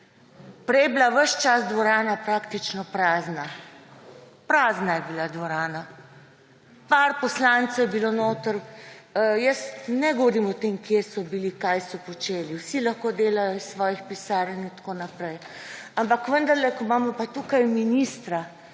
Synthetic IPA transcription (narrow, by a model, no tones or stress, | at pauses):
pɾɛjɛblaʋəʃt͡ʃazd̪ʋɔɾaːnapɾaːkt̪it͡ʃnɔpɾaːzna | pɾaːznajɛbilad̪ʋɔɾaːna | paɾpɔslant̪sɛwjɛbilonoːt̪əɾ | jəst̪nɛɡɔʋɔɾimɔt̪emkjesɔbilikajsɔpɔt͡ʃeːliwsilaxkod̪eːlajɔsʋɔːjixpisaːɾjənint̪koːnapɾɛj | ampakʋənd̪ɐɾlɛkɔmamɔpat̪ukajminist̪ɾa